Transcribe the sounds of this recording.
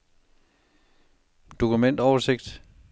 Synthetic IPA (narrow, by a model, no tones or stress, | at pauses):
d̥o̝kumen̰d̥ɒʊɐse̝ɡ̥d̥